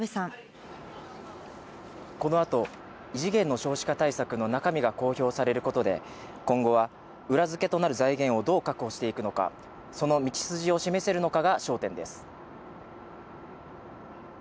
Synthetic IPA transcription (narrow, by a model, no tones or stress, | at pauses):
besã | ko̞no̞at̪o̞ | iʑiɡẽ̞nːo̞ɕo̞ːɕi̥kat̪aisakɯ̟no̞nakamʲiɡako̞ːço̞ːsaɾe̞ɾɯ̟ko̞t̪o̞d̪e̞̰ | kõ̞ŋɡo̞βa | ɯ̟ɾazɨke̞t̪o̞naɾɯ̟zaiɡẽ̞ɰ̃o̞d̪o̞ːkakɯ̟ɦo̞ɕi̥t̪e̞ikɯ̟no̞ka̰ | so̞no̞mʲit͡ɕi̥sɨʑio̞ɕime̞se̞ɾɯ̟no̞kaɡaɕo̞ːt̪ẽ̞nd̪e̞sɨ̥